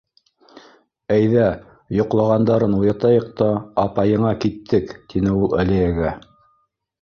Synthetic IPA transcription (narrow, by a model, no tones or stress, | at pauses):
æjðæ | jŏqlˠɑʁɑnd̪ɑɾɤnujɑt̪ɑjɤq̚t̪ɑːpɑjɤ̆ɴɑkit̪ʰːɘkt̪inɘulˠæliæɡæ